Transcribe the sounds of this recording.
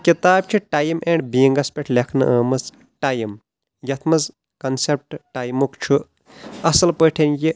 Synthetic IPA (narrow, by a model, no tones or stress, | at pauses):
kit̪aːb̚t͡ʃʰuʈaːjimeɳɖbiiŋɡɐspʲeʈʰlʲekʰnɨ̰ʔɐːmɐz | ʈajim | jɐt̪ʰmɐz | kɐnsep̚ʈʈaːjmukt͡ʃʰu | ɐsɐlpəʈʰenji